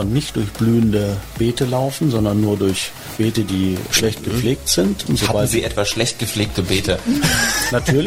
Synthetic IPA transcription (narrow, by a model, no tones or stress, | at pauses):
ɐnnɪçt̚d̥ʊɐçb̥lyːəndəb̥eːtəlaʊfn̩zɔndɐnːuːɐdʊɐç | b̥eːtədiːʃlɛçt̚ɡ̥əp͡fleːk̚tz̥ɪntʊnz̥oabalziːʔɛtv̥asʃlɛçt̚ɡ̥əp͡fleːk̚təbeːtʰə | natʰyːɐl